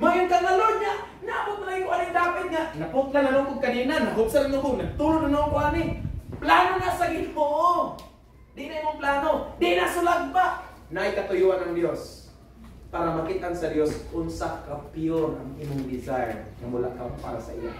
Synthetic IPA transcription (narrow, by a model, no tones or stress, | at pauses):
majʊŋkaŋalodŋaʔ | naʔabʊt̪̚najuʔaniŋdaːpɪt̪̚ŋaʔnapʊt̪̚lananʊŋkʊɡ̚kaninanːaɦʊk̪̚saɾaŋoɡʊɡnaɡ̚t̪uɾʊnanaŋkʊanɪplanonasaɡɪlmoʔo | dɪʔnaimʊŋplaːnodɪʔnasʊlad̪̚pa | naʔajkat̪ʊjuʔanaŋdjos | paɾamakɪt̪ansadjoskʊnsakapiʊna̰ŋimʊŋdɪsajrŋamʊla̰kaŋpa̰ɾasa̰ʔḭla̰